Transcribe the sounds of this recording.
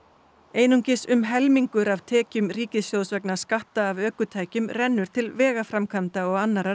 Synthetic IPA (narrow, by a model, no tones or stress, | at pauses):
eːjnuŋcɪsʏmɦɛlmiŋkʏɾavt̪ʰɛːcʏmɾiːcɪsjow̪svɛknaskaht̪aːvœːkʏt̪ʰaːjcʏmrɛnːʏɾ̥t̪ʰɪlvɛːɣafɾamkʰant̪aɔɣanːaɾa